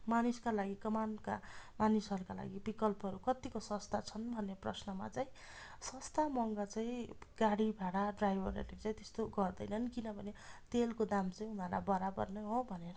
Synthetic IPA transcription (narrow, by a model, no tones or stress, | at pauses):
maniskalaɡikʌmanka̰manisʌɾukala̰ɡibikʌlpɦʌɾukʌt̪ikosʌst̪ʰat͡sʰʌnbʱʌnːeprʌsnʌma̰t͡saĩ | sʌst̪amʌŋɡʌt͡saĩɡ̥aɽibʱaɽaɖrajbʱʌɾḛɾit͡saĩt̪e̥st̪oɡʌrd̪ʌjnʌnkinʌbʱʌnet̪elkod̪amt͡sʌĩunʌɾla̰bʌɾabʌ̰rnʌɦõbʱʌneɾʌ